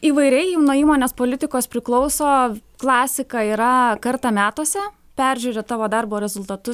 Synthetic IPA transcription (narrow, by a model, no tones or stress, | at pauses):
iːʋɐɪɾʲɛɪnoːiːmoːnʲeːspoːlʲɪt̪ʲɪkoːspʲɾʲɪklˠɔʊsoːklˠɑːsʲɪkɑiːɾɐkɐɾt̪ɑːmʲæːt̪oːsʲɛ | pʲæɾʲʒʲʉːɾʲeːt̪ɑːʋoːd̪ɐrboːɾʲɛzʊlˠt̪ɐt̪ʊ